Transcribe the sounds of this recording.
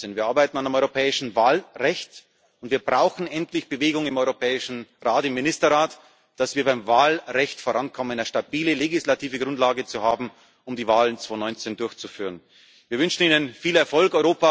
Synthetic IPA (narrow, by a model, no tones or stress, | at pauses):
enviːɐʔaɐbaɪtn̩andəmɔʏʁopʰɛːɪʃn̩vaːlʁɛçt | ʊntv̥iːɐbʁaʊxn̩ɛntlɪçb̥əveːɡʊŋɪmɔʏʁopʰɛːɪʃn̩ʁaːtɪmːɪnɪstɐʁaːt | d̥asv̥iːɐbaɪmvaːlʁɛçtfoːʁankʰɔmənaʃtabiːləleɡɪslatʰiːvəɡʁʊntlaːɡət͡suhaːbm̩ | ʊmdiːvaːlənt͡sv̥oːnɔʏnt͡sendʊɐçt͡sufyːʁən | viːɐvʏnʃn̩iːnənfiːlɛɐfɔlkɔʏʁoːpa